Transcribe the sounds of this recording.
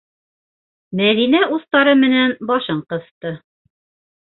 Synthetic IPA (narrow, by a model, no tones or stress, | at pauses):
mæðinæʔuθt̪ɑɾɤmɘ̆nænbɑʃɤɴqɤ̆θt̪ɤ